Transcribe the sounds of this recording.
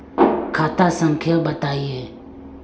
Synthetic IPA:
kʰat̪asamkʰelbat̪ajø

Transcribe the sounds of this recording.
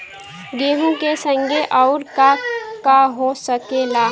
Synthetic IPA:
ɡeːɦũkesə̃ŋɡeʔɔʊɾkakaɦosəkelaː

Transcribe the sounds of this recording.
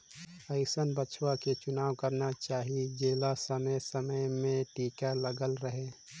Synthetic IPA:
əɪsənbət͡ʃʰwaket͡ʃʊnaːwkəɾnat͡ʃaːɦid͡ʒeːlasəməjsəməjmẽʈiːkaləɡəlɾəɦe

